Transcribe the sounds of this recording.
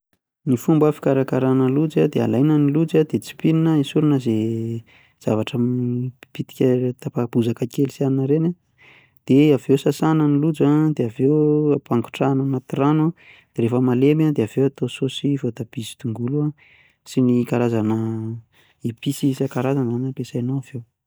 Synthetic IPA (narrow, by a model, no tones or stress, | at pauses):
nifumbəfi̥kaɾakaɾanəlud͡zad̪ea̰lajnanilud͡zad̪et͡si̥pininəisuɾunəze | z̥a̰vaʈ͡ʂamipit̪i̥kʲət̪apab̥uzakəkelisianinəɾena | d̪̥eavewsasanənilud͡zad̪eavewapaŋɡu̥ʈ͡ʂananat̪iranua | d̪̥eɾefəmalemad̪eav̥ewat̪ososivot̪ab̥izi̥t̪uŋɡulua | sinikaɾazanə | ipisisakaɾazanzanəpesajnowavew